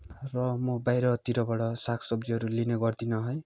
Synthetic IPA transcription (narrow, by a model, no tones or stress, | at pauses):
rʌmobajɾʌt̪iɾʌbʌɽʌsakʰsʌb̚d͡ziɦʌɾulineɡʌrd̪inʌɦʌj